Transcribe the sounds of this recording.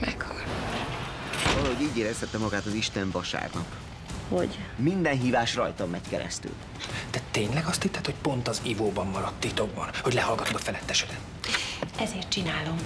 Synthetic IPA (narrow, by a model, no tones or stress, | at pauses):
mɛkʰːoɾ | vɒlɒɦoɟiːɟeːɾɛshɛt̪ːɛmɒɡaːt̪ɒziʃt̪ɛɱvɒʃa̰ːrnɒk | ho̰ɟmind̪ɛnɦiːvaːʃrɒjt̪ɒmːɛckɛɾɛ̰st̪y̰ːl | d̪̥ɛt̪eːɲlɛɡɒst̪it̪ːɛt̪ho̞cpo̞nt̪ɒzivoːbɒmːɒɾɒt̪ːit̪o̞ɡ̚bɒ̰nhoɟlɛɦɒlɡɒt̪uɡɒfɛlɛt̪ːɛʃɛd̪ɛt̪ | ɛzeːrt̪̚t͡ʃinaːlo̞m